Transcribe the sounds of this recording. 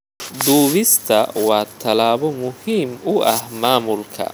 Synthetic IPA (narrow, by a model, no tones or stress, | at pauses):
d̪uːβɪst̪ʰɐ̰wɑːt̪ʰɐlaːβɔmʊhiːmʊʔɐhmaːmʊlkʰɐ̰